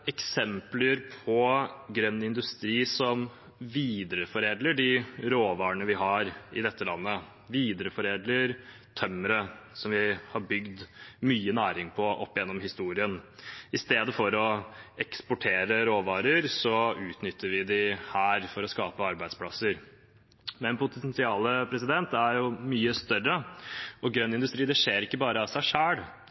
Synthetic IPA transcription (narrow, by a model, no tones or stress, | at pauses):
ɛksɛmpləɾpʰɔɡɾœnːɪnd̪ʉst̪ɾiːsɔm | ʋiːd̪ɾəfɔɾeːd̪ləɖɪɾoːʋɑːɾəɳəʋɪɦɑɾɪd̪ɛt̪ʰːəlɑnːə | ʋiːd̪ɾəfɔɾeːd̪ləɾ | t̪ʰœmːəɾəsɔmʋɪhɑɾbʏɡd̪myːənæːɾɪŋpʰɔʔɔ̰pːɪjɛnːɔmɦɪst̪uːɾɪənɪst̪eːd̪əfɔɾɔɛkspʊʈʰeːɾəɾoːʋɑːɾəɾsɔʉːt̪nʏt̪ʰːəɾʋɪd̪ɪhæːɾfɔɾɔskɑːpəɑɾbæɪd̪spʰɽɑsəɾ | mɛnpʊt̪ɛnt̪ɪɑːləpʰɾɛsɪd̪ɛnt̪æɾjʊmyːəst̪œrəɔɡɾœnːɪnd̪ʉst̪ɾiːd̪ɛʂeːɾɪkːəbɑːɾəɑsæɪʂæːɽ